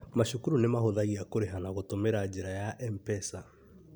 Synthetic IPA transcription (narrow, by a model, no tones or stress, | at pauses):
maʃokuɾunemahoðaɣiakoɾeɦanaɣotomeɾad͡ʑeɾajaʔɛmpɛsa